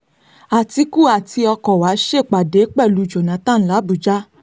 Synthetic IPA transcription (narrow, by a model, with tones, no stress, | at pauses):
a˨ti˧˦ku˦˨a˨ti˧ɔ˧kɔ˨wa˨˦ʃe˦˨k͡pa˨de˨˦k͡pɛ˦˨lu˨˧˨d͡ʒo˨nã˨˦tã˦˨n̩˦la˨˦bu˨d͡ʒa˦